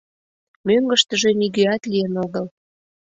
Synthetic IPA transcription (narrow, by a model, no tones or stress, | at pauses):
møŋɡəʃt̪əʒĕniɣøɑt̪lijənoɣəl